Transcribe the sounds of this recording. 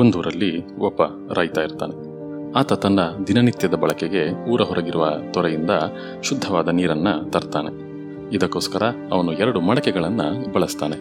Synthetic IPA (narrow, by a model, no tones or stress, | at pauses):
ond̪uːɾɐlːi | ɔpːɐ | ɾaːjt̪aːjiɾt̪a̰ːne̞ | aːt̪ɐt̪ɐɳɖɐd̪inɐnit̪jɐd̪ɐbɐɭɐkeɡe̞uːɾɐɦɔɾʔɐɡiɾuʋɐ̰t̪ɔɾejind̪ɐ | ʃud̪ʱːɐʋaːd̪ɐniːɾɐnːɐt̪ɐɾt̪aːne̞ | id̪ɐkːoːskɐɾɐ | ɐʋɐnuɛɾɐɽumɐɭɐkɛɡɐɭɐnːɐbɐɭɐst̪aːne̞